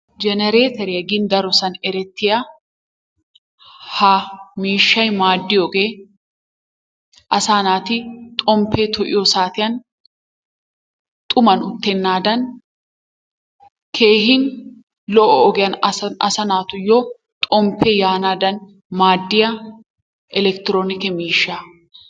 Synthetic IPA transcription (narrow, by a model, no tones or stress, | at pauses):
d͡ʒɛnɛɾeːt̪ɛɾɪjɐɡɪnd̪ɐɾɔsɐnɛɾɛt̪ːɪjɐ | hɐmiːʃːɐjmaːd̪ːɪjɔɡe | ʔɐsaːnaːt̪ɪt̪ʼɔmpʰːeːt̪ʰɔʔɪ̰jɔsaːt̪ɪjɐn | t̪ʼʊmɐnʊt̪ːɛnːaːd̪ɐn | kʰe̞ːɦɪn | lɔʔɔːɡɪjɐnɐ̰sɐnaːt̪ʊjo | t̪ʼɔmpʰːɛjaːnaːd̪ɐn | maːd̪ːɪjɐ | ʔɛlɛkt̪ɪɾoːnɪkɛmiːʃːa